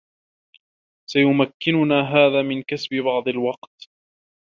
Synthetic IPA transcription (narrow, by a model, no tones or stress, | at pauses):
sajʊmakːɪnʊnaːɦaːðaːmɪnkasbɪbɑʕd̪ˤɑlwɑqt̪